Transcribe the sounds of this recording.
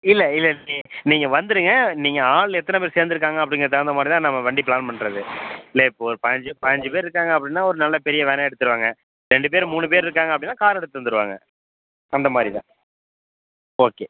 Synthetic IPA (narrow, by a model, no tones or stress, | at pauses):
ɪlːɛɪlːɛliniːŋɡɐʋɐnd̪ɯɾɯŋɡɐniːŋɡɐaːɭɛt̪ːɐnɛpeːɾseːɾnd̪ɯɾɯkːaːŋɡɐɐp̬ːɽɪŋɡɾɐt̪ɛɾɐnd̪ɐmaːd̪ɾɪt̪ãːnɐmːɐʋɐɳɖipɭaːnpɐɳɾɐðɯɪlːɐɪpːoːɔɾɯpɐɲd͡ʒɯpɐɲd͡ʒɯpeːɾɪɾɯkːaːŋɡɐɐpːɐɽɪnːaːɔɾɯnɐlːɐpɛɾɪjɐʋɛːnɛɛɽɯt̪ːɯɾɯʋaːŋɡɐ | ɾɛɳɖɯpeːɾmuːɳɯp̬eːɾɪɾɯk̬ːaːŋɡɐpɐɽɪnːaːkaːɾɛɽɯt̪ːɯʋɐnd̪ɯɾɯʋa̰ːŋɡɐ̰ | ɐnd̪ɐmaːd̪ɾit̪ã̰ː | oːkeː